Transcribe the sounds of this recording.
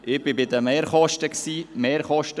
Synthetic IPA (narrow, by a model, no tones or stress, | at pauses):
ʔɪb̥ɪbɪdəmeːɾχɔʃtəksiːmeːɾχɔʃtə